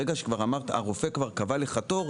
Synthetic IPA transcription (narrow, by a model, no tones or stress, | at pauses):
eɡaʃekvaʁamaʁt̪a̰ʁofekvaʁkavaleχato̞ʁ